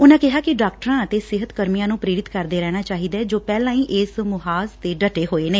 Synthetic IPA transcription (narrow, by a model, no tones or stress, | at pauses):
ʊnãːkɪɦaːkɪɖaːk̚ʈəɾãːət̪eːsɪɦət̪kəɾmijãːnũːpɾeːɾɪt̪kəɾd̪eːɾɛːɽ̃aːt͡ʃaːɦiːd̪ɛːd͡ʒoːpɛːlãːĩːʔɪsmʊɦaːst̪eːɖəʈeːɦoːeːneː